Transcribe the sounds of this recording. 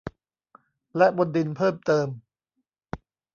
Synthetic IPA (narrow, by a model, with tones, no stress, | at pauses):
lɛ˦˥ʔbo˧ndi˧npʰɤː˥˩mt̪ɤː˧m